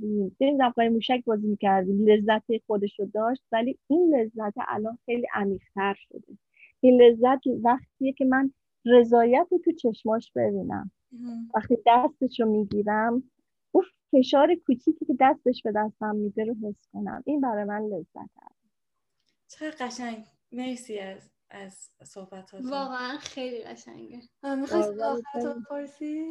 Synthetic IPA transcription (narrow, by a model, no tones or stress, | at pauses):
imnemid̪æmʁɒːjemuːʃæk̚bɒːzimiːcʰæɾd̪iːmle̞zːæt̪ʰexod̪e̞ʃod̪ɒːʃt̪̚væliinle̞zːæt̪ʰḛʔæ̰lɒːnxe̞jliːʔæmiːʁ̥t̪ʰæɾʃo̞̰d̪e | ile̞zːæt̪ʰvæχt̪ʰijecʰe̞mæn | re̞zɒːjæt̪ʰet̪ʰut͡ʃʰe̞ʃmɒːʃb̥e̞biːnæ̰m | væχt̪iːd̪æst̪e̞ʃomiːɡiːɾæm | ʔuː | fe̞ʃɒːɾekʰuːt͡ʃʰiːcʰiːke̞d̪æst̪e̞ʃbe̞d̪æst̪æmːiːd̪eɾoɦe̞sko̞næ̰mʔinbæɾɒːjemænle̞z̥ːæ̰t̪ʰæ̰d̪e | t͡ʃʰeɣeɾɢæʃæŋɡ | nejsiæz | æz̥sohbæt̪ʰɒːvɒːɣeænxejliɣæ̰ʃæ̰ŋɡemixj | pʰoɾsi